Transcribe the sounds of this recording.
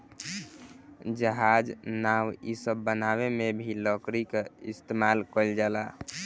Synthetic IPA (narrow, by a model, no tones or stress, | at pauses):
d͡ʒəɦad͡ʒnawḭsəbːənaβemebʱiləkɾikeist̪emalkəld͡ʒala